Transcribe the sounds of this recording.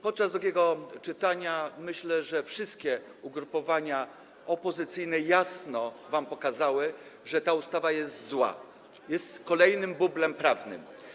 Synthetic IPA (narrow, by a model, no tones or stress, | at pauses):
pɔt̪̚t͡ʂazd̪ɾuɡʲɛɡɔt͡ʂɘt̪aɲamɘɕlɛʐɛfʂɘst̪̚kʲɛ | uɡɾupɔvaɲa | ɔpɔzɘt̪sɘjnɛjasnɔvampɔkazawɘʐɛt̪aust̪avajɛst̪zwa̰ | jɛst̪kɔlɛjnɘmbublɛmpɾavnɘ̰m